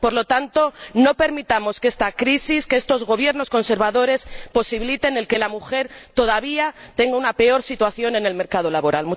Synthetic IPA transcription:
po̞ɾlo̞t̪ant̪o̞no̞pe̞ɾmit̪amo̞skest̪akɾisiskeest̪o̞zɣo̞β̞je̞ɾno̞sko̞nse̞ɾβaðo̞ɾe̞spo̞siβilit̪e̞ne̞lke̞lamuxe̞ɾt̪o̞ð̞aβiat̪e̞ŋɡaunape̞o̞ɾsit̪waθjo̞ne̞ne̞lme̞ɾkað̞o̞laβo̞ɾalmu

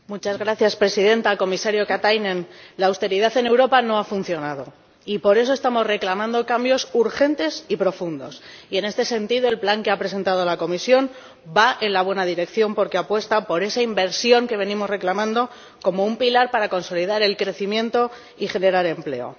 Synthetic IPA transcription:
mut͡ʃazɣɾaθjaspɾe̞siðe̞nt̪ako̞misaɾjo̞kat̪ajnẽnlaːwst̪e̞ɾiðaθe̞ne̞wɾo̞pano̞afunθjo̞nað̞o̞ | ipo̞ɾe̞so̞est̪amo̞zre̞klamãnd̪o̞kambjo̞suɾxe̞nt̪e̞sipɾo̞fund̪o̞̰sie̞ne̞st̪e̞se̞nt̪iðo̞e̞lplaŋke̞apɾe̞s̬e̞nt̪að̞olako̞misjo̞n | baʔe̞nlaβ̞we̞naðiɾe̞kθjo̞mpo̞ɾkeapwe̞st̪apo̞ɾe̞saimbe̞ɾsjo̞ŋke̞βe̞nĩmo̞zre̞klamãnd̪o̞ | ko̞mo̞umpilaɾpaɾako̞nso̞liðaɾe̞lkɾe̞θimjẽ̞nt̪o̞ | ixe̞ne̞ɾaɾe̞mple̞̰o̞̰

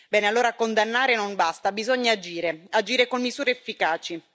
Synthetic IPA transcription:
bɛːnealːoːɾakond̪anːaːɾenonbast̪abizoɲːaːd͡ʒiːɾead͡ʒiːɾekonmizuːɾeːfːikaːt͡ʃi

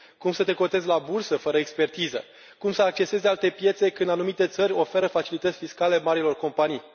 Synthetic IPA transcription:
kumsət̪e̞ko̞t̪e̞zelabursəfəɾəekspe̞rt̪izə̰ | kumsəak̚t͡ʃe̞se̞zealt̪e̞pje̞t̪se̞kɨnd̪anumit̪e̞t̪səɾʲo̞fe̞ɾəfat͡ʃilit̪ət̪sʲfiskale̞maɾilo̞rko̞mpanij

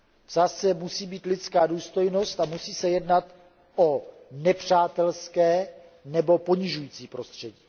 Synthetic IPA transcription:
vzasɛmusiːbiːt̪lɪt͡skaːduːst̪o̞jno̞st̪amusiːsɛjɛdnat̪ | ʔo | nɛpr̝̥aːt̪ɛlskɛː | nɛbo̞po̞ɲɪʒujiːt͡siːpɾo̞st̪r̝̥ɛɟiː

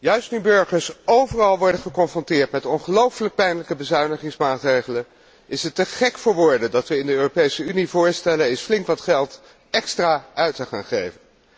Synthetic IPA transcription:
jœɥstnybɵɹχəɹsowvərɑlˠʋɔɹdəχəkɔnfrɔntɪːɹtmɛtɔnχəlowfələk̚pɛjnləkəbəzœɥnəχɪŋsmaːtrejχələn | ɪsɦətːəχɛkfʊːɹʋʊɹdədɑtʋəɪndəøːropejsəynivʊːɹstɛlənɪsflɪŋkʋɑtχɛlˠt | ɛkstraːœɥtəχa̰ːnχejvən

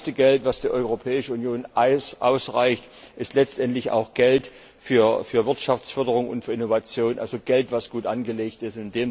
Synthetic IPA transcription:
stəɡɛltv̥asd̥iːɐʔɔʏʁopʰɛːɪʃəunjoːnʔa̰ʊsʁaɪçt | ʔɪstlɛt͡stʔɛntlɪça̰ʊxɡ̥ɛlt | fyːɐfyːɐvɪɐtʃaft͡sfœɐdəʁʊŋʊ̰ntfyːɐɪnovat͡sjoːnʔa̰lzoɡ̥ɛltv̥asɡ̥uːtʔanɡəleːçtɪstɪndeːm

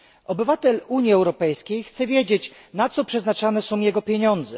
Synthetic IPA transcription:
ɔbɘvat̪ɛluɲjiɛwɾɔpɛjskʲejxt̪sɛvʲjed͡ʑet͡ɕ | nat̪sɔpʂɛznat͡ʂanɛsɔ̃w̃jɛɡɔpʲjeɲɔnd̪zɛ

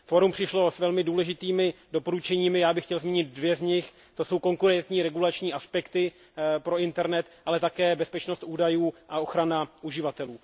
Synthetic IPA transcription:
fo̞ɾumpr̝̥ɪʃlo̞svɛlmɪduːlɛʒɪt̪iːmɪdo̞po̞ɾut͡ʃɛɲiːmɪjaːbɪxcɛlzmiːɲɪt̪̚dvjɛzɲɪx | t̪o̞so̞wko̞ŋkuɾɛnt̪ɲiːɾɛɡulat͡ʃɲiːʔaspɛkt̪ɪ | pɾo̞ɪnt̪ɛɾnɛt̪ʔalɛt̪akɛːbɛspɛt͡ʃno̞st̪uːdajuːʔao̞xɾanaʔuʒɪvat̪ɛluː

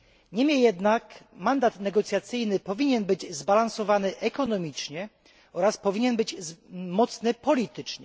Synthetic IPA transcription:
ɲɛmʲjɛjɛd̪nakmand̪at̪nɛɡɔt̪sʲjat̪sɘjnɘpɔvʲiɲɛnbɘd͡ʑzbalansɔvanɘʔɛkɔnɔmʲit͡ʂɲɛ | ɔɾaspɔvʲiɲɛnbɘd͡ʑzmɔt̪snɘpɔlʲit̪ɘt͡ʂɲɛ

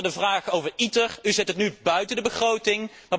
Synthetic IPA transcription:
ədəvraːχowvəɹitəryzɛtətnybœɥtəndəbəχrowtɪŋ | ma

